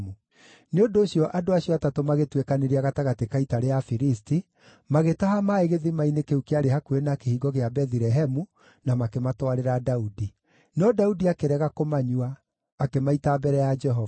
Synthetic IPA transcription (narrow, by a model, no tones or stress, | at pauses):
mu | neondoːɕjɔʔadoaɕjɔatatomaɣetwekaneɾiaɣataɣatekaitaɾeafiɾisti | maɣetaɦamaeɣeðimainekeukeaɾehakuenakehiːɡɔɣeabɛðiɾɛɦɛmu | namakematɔwaɾeɾadaudi | nɔdaudiakeɾɛɣakomaɲuaː | kemaitabɛɾɛjad͡ʒɛɦɔ